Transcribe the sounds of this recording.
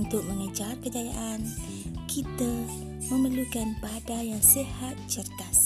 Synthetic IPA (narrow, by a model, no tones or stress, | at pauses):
unt̪ʊk̚məŋəd͡ʒarkəd͡ʒajaʔan | kʰit̪ə | məməlukanpadajaŋsəhat̪̚t͡ʃərɡas